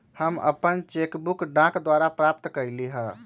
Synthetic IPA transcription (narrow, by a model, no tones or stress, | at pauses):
həmə̰pənt͡ʃekbukɖãkd̪waɾapɾap̚t̪kəɾliɦə̃